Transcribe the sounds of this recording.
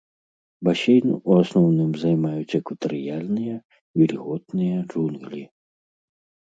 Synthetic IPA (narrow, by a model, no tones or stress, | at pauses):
basʲejnuasnɔwnɨmzajmajut͡sʲɛkvɐt̪ɐɾɨjalʲnɨjɐ | vʲilʲɣɔt̪nɨjɐʐunɣlʲi